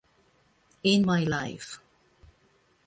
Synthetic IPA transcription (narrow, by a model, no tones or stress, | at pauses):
ɪ̃nmaɪlaɪf